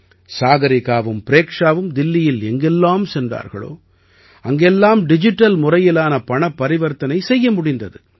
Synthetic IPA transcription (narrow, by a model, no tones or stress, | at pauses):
saːɣɐɾɪɣaːʋɯmpɪɾeːkʂaːʋɯmd̪ɪlːɪjɪlɛŋɡɪlːaːmsɛndra̰ːɾɣɐ̰ɭo̰ː | ɐŋɡɛlːaːmɖɪd͡ʒɪʈːɐlmʊrɐjɪlaːnɐpɐɳɐpːɐɾɪʋɐɾt̪ɐnɐɪsɛjːɐmʊɽɪnd̪ɐðɯ